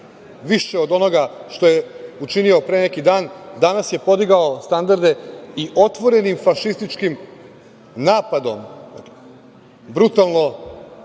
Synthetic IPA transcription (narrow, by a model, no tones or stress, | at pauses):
ʋiʃe̞od̪o̞no̞ɡaʃt̪o̞jeut͡ʃinio̞pɾeːne̞kid̪aːnd̪anasje̞po̞d̪iɡaost̪and̪aɾd̪e̞iʔo̞t̪ʋo̞ɾe̞nimfaʃist̪it͡ʃkim | naːpad̪om | bɾut̪alˠno̞